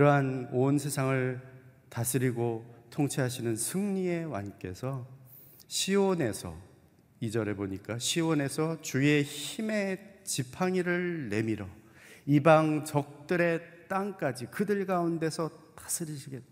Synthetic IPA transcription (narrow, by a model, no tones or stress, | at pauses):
kɯɾʌɦanonsʰe̞sʰaŋɯɭ | tasʰɯɾiɡotʰoŋt͡ɕʰiɦaɕʰinɯnsʰɯŋɲie̞wa̰nk͈e̞sʰʌ | ɕʰiwone̞sʰʌ̰ | id͡ʑʌɾe̞boɲik͈aɕʰiwone̞sʰʌt͡ɕue̞çime̞t͡ɕipʰaŋiɾɯɭːe̞miɾʌ | ibaŋt͡ɕʌk̚t͈ɯɾe̞t͈aŋk͈ad͡ʑikɯdɯɭɡaunde̞sʰʌtḁsʰɯɾiɕʰiɡe